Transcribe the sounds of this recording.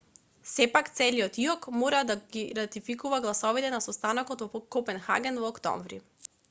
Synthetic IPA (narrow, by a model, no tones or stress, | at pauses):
sɛpakt̪sɛliɔt̪iɔkmɔɾad̪aɡiɾat̪ifikuvaɡlˠasɔvit̪ɛnasɔst̪anakɔt̪vɔkɔpɛnxa̰ɡɛnvɔːkt̪ɔ̰ɱvɾḭ